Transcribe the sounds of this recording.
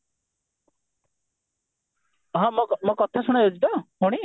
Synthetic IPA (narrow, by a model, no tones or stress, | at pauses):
ɦɔ̃mɔmokɔt̪ʰasuɽ̃ajod͡ʒit̪ɔɦuɽ̃i